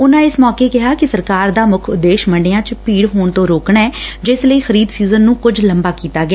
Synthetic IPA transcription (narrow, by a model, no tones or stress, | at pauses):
ʊnãːɪsmɔːkeːkɪɦaːkɪsəɾkaːɾd̪aːmʊkʰʊd̪ːeːʃməɳɖeːãːt͡ʃpiːɽɦoːɳt̪õːɾoːkɳɛːd͡ʒɪsləiːxəɾiːd̪siːzənːũːkʊd͡ʒləmbaːkiːt̪aːɡɪɛː